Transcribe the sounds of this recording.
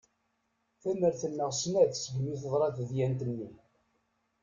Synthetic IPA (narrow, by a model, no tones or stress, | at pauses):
θænəɾθənːəʁsnæðsəɡmiθəðˤɾˤɑθəðjænt̪ənːi